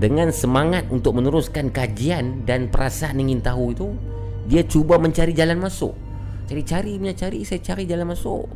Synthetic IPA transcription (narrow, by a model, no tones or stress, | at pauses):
dəŋansəmaŋat̪unt̪ʊk̚mənuɾʊskankad͡ʒiandanpəɾʔasaːniŋint̪aɦuit̪u | diat͡ʃubaməɲt͡ʃaɾid͡ʒalanmasʊ̰ʔ | t͡ʃaɾit͡ʃaɾiɲat͡ʃaɾisajat͡ʃaɾid͡ʒalanmasʊ̰ʔ